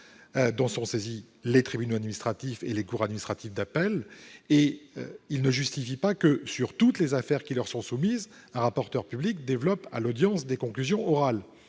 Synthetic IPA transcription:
d̪ɔ̃sɔ̃sezi | let̪χibynoad̪minist̪χat̪ifḛlekuʁad̪minist̪χat̪ifd̪apɛlḛilnəʒyst̪ifipakəsyʁt̪ut̪lezafɛʁkʲilœʁsɔ̃sumiz | ɛ̃ʁapɔʁt̪œʁpyblik̚d̪evlɔpa̰lod̪jɑ̃sd̪ekɔ̃klyzjɔ̃ɔʁal

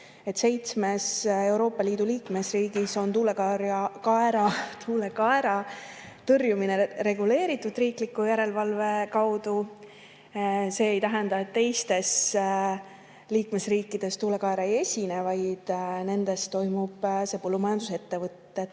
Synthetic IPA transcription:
e̞t̪ːˑse̞jt̪sme̞se̞wɾo̞ːpːɑliːd̪̥uliːkme̞sriːɡ̥iso̞nt̪uːle̞kɑɾɑkɑeɾɑt̪ʰuːle̞kɑeɾɑt̪ɤrjumine̞ɾe̞ɡ̥ule̞ːɾit̪ːˑud̪̥riːklikːujæɾe̞lvɑlve̞kɑwd̪̥u | se̞ːjt̪æɦend̪ɑe̞t̪ːe̞jst̪e̞s | liːkme̞sriːkːˑid̪̥e̞st̪uːle̞kɑeɾɑejesʲine̞vɑjd̪̥ne̞nd̪̥e̞st̪t̪ːo̞jmub̥se̞pɤlːumɑjɑnd̪̥use̞t̪ːe̞vɤt̪ːe̞

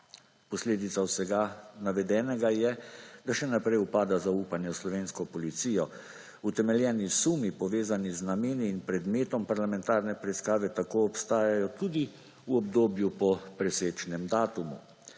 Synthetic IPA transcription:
pɔsleːd̪it̪sawsɛɡanaʋɛd̪ɛːnɛɡajɛd̪aʃɛnapɾɛjupaːd̪azauːpanjɛwslɔʋeːnskɔpɔlit̪siːjɔ | ut̪ɛmɛljɛːnisumipɔʋeːzaniznameːniːnpɾɛd̪meːt̪ɔmpaɾlamɛ̃nt̪aːɾnɛpɾɛiskaːʋɛt̪akoːɔpst̪aːjajɔt̪uːd̪i | uɔbd̪oːbjupɔpɾɛseːt͡ʃnɛmd̪aːt̪umṵ

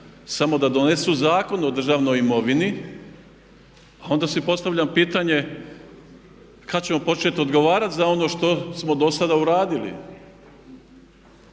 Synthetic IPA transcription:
samo̞d̪ad̪o̞nesuzaːko̞nod̪r̩ʒaʋno̞jimo̞ʋini | ao̞nd̪asipo̞st̪aʋʎʲampiːt̪aɲe̞ | kat͡ɕe̞mo̞po̞t͡ʃe̞t̪o̞d̪ɡo̞ʋaːɾat̪zao̞no̞ːʃt̪o̞smo̞d̪o̞sad̪auɾaːd̪ilḭ

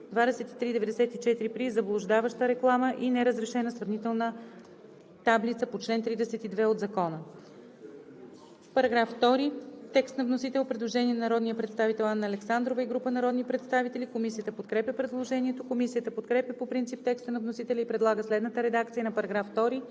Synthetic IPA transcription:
d̪vad̪ɛsɛt̪i̥t̪ɾid̪ɛvɛd̪ɛsɛt̪it͡ʃɛt̪iɾipɾizɐblˠoʒd̪avəʃt̪əɾɛklˠaməʔinɛɾəzɾɛʃɛnəsɾɐvnit̪ɛlˠnə | t̪ablit̪səpot͡ʃlɛnt̪ɾid̪ɛsɛt̪id̪vɛod̪zɐkɔnə | pɐɾɐɡɾafft̪ɔɾit̪ɛkst̪nɐvnosit̪ɛlˠpɾɛd̪lˠoʒɛniɛnɐnɐɾɔd̪nijəpɾɛt̪st̪avit̪ɛlˠanːɐːlɛksand̪ɾovəiɡɾupənɐɾɔd̪nipɾɛt̪st̪avit̪ɛlʲikomisijət̪əpot̪kɾɛpʲəpɾɛd̪lˠoʒɛniɛt̪okomisijət̪əpot̪kɾɛpʲəpopɾint̪sip̚t̪ɛkst̪ənɐvnosit̪ɛlʲɛipɾɛd̪lˠaɡəslɛd̪nət̪əɾɛd̪akt̪sijənɐpɐɾɐɡɾafːt̪ɔɾi

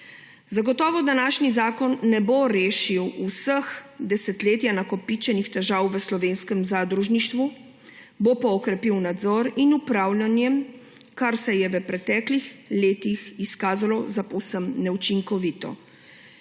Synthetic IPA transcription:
zaɡɔt̪ɔːʋɔd̪anaːʃnizaːkɔnːɛboɾeːʃiwusəxd̪ɛsɛt̪leːt̪janakɔpit͡ʃɛnixt̪ɛʒaːwʋəslɔʋeːnskɛmzaːd̪ɾuʒniʃt̪ʋu | bopɔːkɾɛpiwnad̪zɔɾinupɾaːwlʲanjɛm | kaɾsɛjɛʋəpɾɛt̪ɛːklixleːt̪ixiskaːzalɔzapɔwsəmnɛut͡ʃiŋkɔʋiːt̪ɔ̰

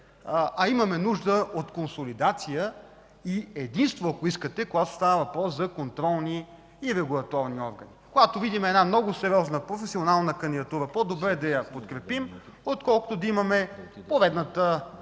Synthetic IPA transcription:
ʔɐimɐmɛnuʒd̪əʔot̪konsolid̪at̪sijə | iɛd̪inst̪voɐkoiskət̪ɛkoɡat̪o̥st̪avəvɐpɾɔszɐkont̪ɾɔlˠniː | ɾɛɡulˠɐt̪ɔɾniɔɾɡənikoɡat̪ovid̪imɛd̪namnɔɡʊsɛɾʲiɔznəpɾofɛsionalˠnəkɐnd̪id̪ɐt̪uɾəpod̪obɾɛd̪ɐjɐpot̪kɾɛpim | ot̪kɔlˠko̥t̪ʊd̪ɐimɐmɛpovɛd̪nət̪ə

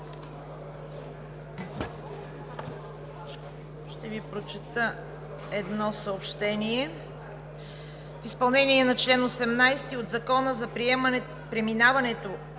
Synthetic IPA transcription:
ʃt̪ɛvipɾot͡ʃɛt̪ə | ɛd̪nɔsəopʃt̪ɛniɛ | fispɐlˠnɛniɛnɐt͡ʃlɛnosɛmnajst̪iod̪zɐkɔnəzɐpɾiɛm | pɾɛminavɐnɛt̪o

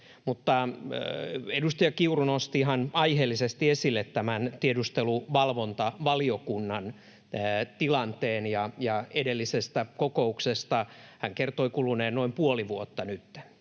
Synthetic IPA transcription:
mut̪ːɑ | edust̪ɑjɑkiurunost̪iɦɑnɑiheːlːisest̪iesilːet̪tæmænt̪iedust̪eluʋɑlʋont̪ɑʋɑliokunːɑnː | t̪ilɑnt̪eːnjɑjɑedelːisest̪ækokouksest̪ɑhæŋkert̪oikuluneːnnoimpuoliʋuot̪ːɑnyt̪ːe̥

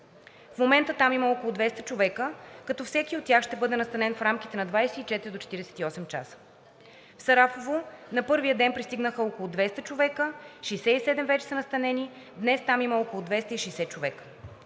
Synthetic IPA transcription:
fmomɛnt̪ət̪amiməokolˠʊd̪vɛst̪ət͡ʃovɛkəkɐt̪ɔfsɛkiot̪tːʲjaxʃt̪ɛbɤd̪ɛnɐst̪ɐnɛnfɾamki̥t̪ɛnɐd̪vajsɛit͡ʃɛt̪iɾid̪ot͡ʃɛ̥t̪iɾɛsɛ̥t̪iɔsɛmt͡ʃa̰sə̥ | fsɐɾafovonɐpɤɾvijəd̪ɛnpɾist̪iɡnəxəokolˠʊd̪vɛst̪ət͡ʃovɛkəʃɛjsɛisɛd̪ɛmvɛt͡ʃɛ̥sənɐst̪ɐnɛni | d̪nɛst̪amiməɔkolˠʊd̪vɛst̪əiʃɛjsɛt͡ʃovɛkə̥

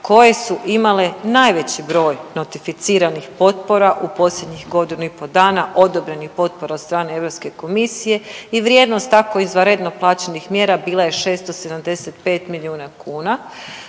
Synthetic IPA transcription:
ko̞je̞suʔimalenaːjʋe̞t͡ɕibɾo̞ːjno̞t̪ifit̪siːɾanixpo̞t̪po̞ɾaʔupo̞slʎe̞d̪ɲixɡo̞d̪inuipo̞d̪aːnaʔo̞d̪o̞bɾe̞nixpo̞t̪̚po̞ɾat̪st̪ɾaːneeʋɾo̞pske̞ko̞misije̞iʋɾʲje̞d̪nost̪ːako̞izʋaɾed̪no̞plˠaːt͡ɕe̞nixmje̞ːɾabiːlˠaje̞ʃe̞ːst̪ose̞d̪amd̪e̞set̪pe̞ːt̪miliuːnakʰuːna

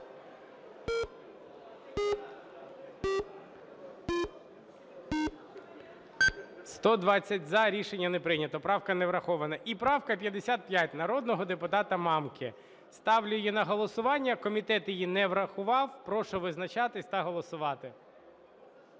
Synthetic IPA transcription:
st̪ɔd̪ʋɑt͡sʲːɐtʲzɐɾʲiʃenʲːɐnepɾɪnʲɐt̪ɔpɾɑwkɐneʋɾɐxɔʋɐnɐʔipɾɑwkɐpʲjɐd̪esʲat̪̚pʲjatʲnɐɾɔd̪nɔɦɔd̪epʊt̪ɑt̪ɐmɑmkɪ | st̪ɑwlʲʊjinɐɦɔlˠɔsʊʋɑnʲːɐkɔmʲit̪ɛt̪jɪjinɛʋɾɐxʊʋɑwpɾɔʃɔʋɪznɐt͡ʃɑt̪ɪsʲt̪ɐɦɔlˠɔsʊʋɑt̪ɪ

